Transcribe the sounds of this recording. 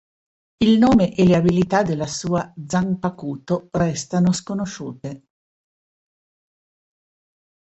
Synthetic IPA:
ilnoːmeʔeleabilit̪ad̪elːasuːad̪zampakuːt̪orɛst̪anoskonoʃuːt̪e

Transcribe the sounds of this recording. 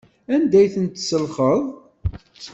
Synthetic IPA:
ænd̪æjθənt̪səlχəðˤ

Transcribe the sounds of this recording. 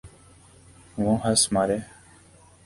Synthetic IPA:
ʋõːɦəsmaːɾeː

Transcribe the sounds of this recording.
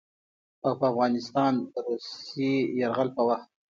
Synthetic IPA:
awpəafɣɑnɪst̪ɑnɾusejaɾɣalpəwaxt̪̚

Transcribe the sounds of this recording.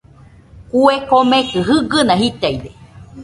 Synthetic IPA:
kuekomẽkɨɦɨɡɨnãɦit̪ajde

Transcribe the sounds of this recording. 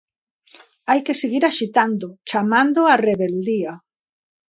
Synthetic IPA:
ajkeseɣiɾaʃit̪and̪ʊt͡ʃamãnd̪oareβeld̪ia

